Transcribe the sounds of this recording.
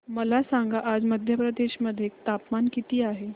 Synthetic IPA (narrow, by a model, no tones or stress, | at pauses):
məlasaŋɡaʔad͡zməd̪ʱjəpɾəd̪eɕməd̪ʱːjek̚t̪apmankit̪iːaɦe